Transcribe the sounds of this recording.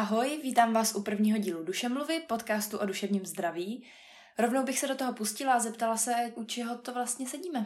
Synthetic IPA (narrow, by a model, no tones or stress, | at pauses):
ʔaɦo̞jviːt̪aːmvaːsʔupr̩vɲiːɦo̞ɟiːluduʃɛmluvɪpo̞t̪kaːst̪uʔoduʃɛvɲiːmzd̪ɾaviː | ɾo̞vnowbɪxsɛdot̪oɦo̞puscɪlaazɛpt̪alasɛʔut͡ʃɛɦo̞t̪ovlast̪ɲɛsɛɟiːmɛ